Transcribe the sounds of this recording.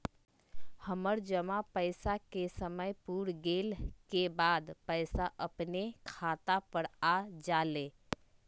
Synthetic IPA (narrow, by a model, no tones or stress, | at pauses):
həməɾd͡ʒəmapəɪsakesəməjpuːɾɡeːlkebaːd̪pəɪsaʔəpnekʰaːt̪apəɽad͡ʒaːleː